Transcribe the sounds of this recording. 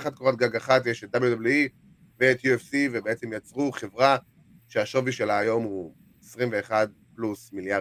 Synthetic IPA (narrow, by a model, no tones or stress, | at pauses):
χad̪̚koʁat̪̚ɡaɡaχatjeʃet̚dabljudabljui | veet̪juefsivebeet͡se̞mjat͡sʁuχevʁa | ʃeaʃoviʃelaːjo̞mu | esʁimve̞ːχad̚ | plusmilja